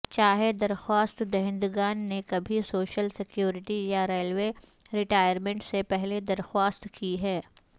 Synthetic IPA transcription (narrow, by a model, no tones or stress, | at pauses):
t͡ʃaːɦed̪ɐɾxwaːst̪d̪ɐɦɪ̃nd̪ɡaːnːekɐbʱisoːʃəlsɪkjuːɾɪʈijaɾeːlweːɾɪʈaːjəɾmẽɳʈsepɛɦled̪ɐɾxwaːst̪kiɦɛː